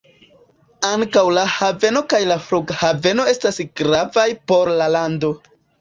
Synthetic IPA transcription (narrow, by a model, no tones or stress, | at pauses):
aŋkawlahave̞no̞kajlafɾuɡhave̞no̞e̞stasɡɾavajpo̞ɾlalando̞